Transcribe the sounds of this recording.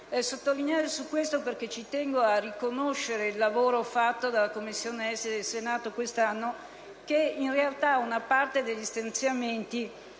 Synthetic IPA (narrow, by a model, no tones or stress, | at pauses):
ɛsot̪ːolineaːɾesukːwest̪operk̟et͡ʃit̪ɛŋɡoarikonoʃːeɾeilːavoːɾofat̪ːod̪alakomːisːjoːneɛsed̪elsenaːt̪okwest̪anːo | keinrealt̪aunapart̪ed̪eʎːist̪ant̪sjament̪i